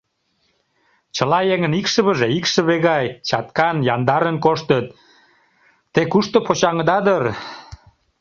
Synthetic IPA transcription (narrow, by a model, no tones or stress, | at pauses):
t͡ɕəlɑjeŋənikʃə̆βə̆ʒeikʃə̆βeɣɑjt͡ɕɑt̪kɑnjɑnd̪ɑɾənkoʃt̪ət̪̚ | ekuʃt̪opot͡ɕɑŋəd̪ɑd̪ər